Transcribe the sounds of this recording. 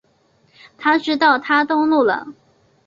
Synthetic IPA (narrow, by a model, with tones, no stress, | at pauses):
t̪ʰa˥ʈ͡ʂɻ̩˥t̪ɑ˥˩ʊt̪ʰa˥t̪ʊ˥ŋlu˥˩lə̰˨˩